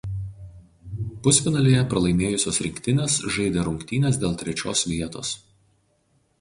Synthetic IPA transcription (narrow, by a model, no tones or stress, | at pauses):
pʊsʲfʲɪnɐlʲejɛpɾɐlˠɐɪmʲeːjʊsʲoːsɾʲɪŋʲkʲt̪ʲɪnʲeːsʒɐɪd̪ʲeːɾʊŋʲkt̪ʲiːnʲeːsd̪ʲeːlˠt̪ʲɾʲɛt͡ʃʲoːsʋʲiɛt̪o̰ːs